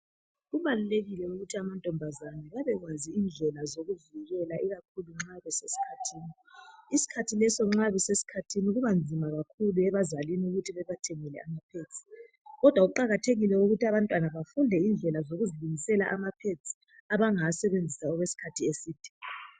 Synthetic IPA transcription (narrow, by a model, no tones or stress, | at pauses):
ɣuβaluleɣilɛuɣutʰiamantʼɔmbʱazanaβaβɛɣwaziind͡ɮʱɛlazoɣuviɣɛlaʔiɣakʰuluŋ͡ǁaβɛsesi̥kʰatʰiːni | isi̥kʰatʰilɛsɔŋ͡ǁaβɛsesi̥kʰatʰiniuɣuβand͡zʱimaɣakʰuluɛβazaliniuɣutʰiβɛβatʰɛŋɛlɛ̰amapʰet͡sʼi̥ | ɣɔd̥ʱwauǃaɣatʰeɣilɛuɣutʰiaβantʼwanaβafundʱɛind͡ɮʱɛlazoɣuziluŋisɛla̰ʔamapʰet͡sʼi̥ | aβaŋasɛβend͡zʱisaɔɣwesi̥kʰatʰiesiːtʰi̥